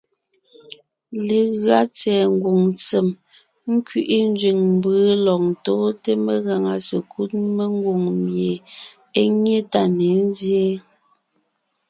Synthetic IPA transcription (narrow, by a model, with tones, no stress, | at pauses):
le˨ɣɰa˦t͡sɛː˨ŋ̩˨ɡwo˨ŋt͡se˨m | ŋ̩˦kɥi˨ʔi˦n˦d͡ʒɥi˨ŋm˨bɯː˨˦lɔ˨ŋ̚tɔː˦te˦me˦ɣa˨ŋa˨se˨kʰu˦t̚me˦ŋ˦ɡwo˨ŋmje˨ | e˦ɲe˦ta˦˨ne˨˦n˦zje˦